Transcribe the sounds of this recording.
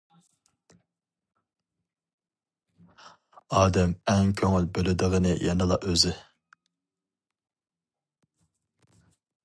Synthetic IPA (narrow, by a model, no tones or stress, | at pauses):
ɑːd̪ɛmɛŋkʲʰøŋylbølɪd̪ɨʁənɨjɑnɨlˠɑʔøzɪ